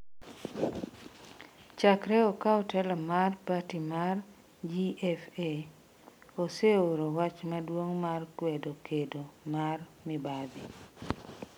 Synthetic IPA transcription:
t͡ʃakɾɛɔkaɔtɛlɔmarpatimar | d͡ʒiɛfe | oseoɾowat͡ʃmadwoŋmarkwedokʰedomarmɪbad̪i

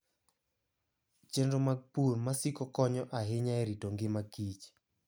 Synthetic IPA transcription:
t͡ʃɛndɔmapumasikɔkɔɲɔʔaɦɪɲaɛɾitoŋɡɪmakit͡ʃ

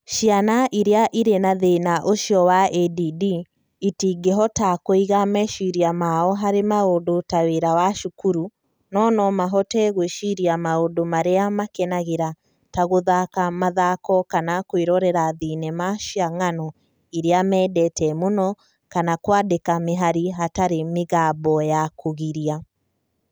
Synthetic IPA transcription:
ʃianaʔiɾeaʔiɾenaðenaʔoʃiɔwaɛdidiː | tiːɡeɦɔtakoiɣamɛʃiɾiamaɔɦaɾemaodotaweɾawaʃukuɾu | nɔnɔmaɦɔtɛɣweʃiɾiamaodomaɾeamakɛnaɣeɾa | taɣoðakamaðakɔkanakweɾɔɾɛɾaðiːnɛmaʃiaŋanɔ | iɾeamɛːdɛtʰɛmonɔ | kanakwadekameɦaɾiɦataɾemeɣaːbɔjakʰoɣiɾia

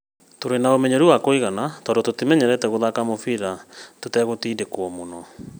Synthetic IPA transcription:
toɾenaomɛɲɛɾuwakoiɣanatɔdototemɛɲɛɾɛtɛɣoðakamofiɾatotɛɣotiːndekwɔmonɔ

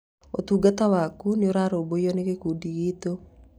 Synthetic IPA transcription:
ot̪uːɡatawakuneoɾaɾoːboiɔneɣekuːdiɣit̪o

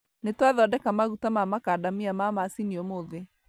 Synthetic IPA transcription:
netwaðɔdɛkamaɣutamamakaːdamiamamasiniɔmoðe

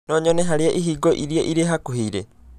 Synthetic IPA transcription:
noɲoneɦaɾijaʔiɦiːɡoʔiɾieʔiɾeɦakuɦiɾe

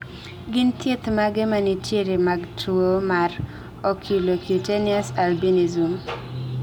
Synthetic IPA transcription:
ɡɪnt̪ʰjet̪maɡemaniteɾimaɡtwomar | ɔkʰilokutenɪasalbinizum

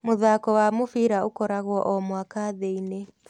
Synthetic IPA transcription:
moðaːkɔwamofiɾaokɔɾaɣwɔʔɔmwakaːðeine

